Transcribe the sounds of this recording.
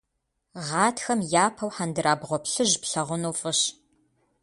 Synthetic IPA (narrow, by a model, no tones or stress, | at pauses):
ʁɑːtʰxɐmjaːpʰɐwħandɨɾaːbʁʷɔpɬɨʑpɬɐʁʷʊnuːfʼɨɕ